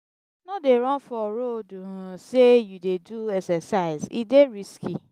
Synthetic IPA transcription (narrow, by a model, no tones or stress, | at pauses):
nɔ̃deɾɔ̃fɔɾodũɾãsejudeduɛksɛsaɪzḭdeɾiski